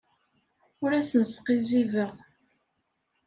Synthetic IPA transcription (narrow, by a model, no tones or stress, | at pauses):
ʊɾæsənsqizivəʁ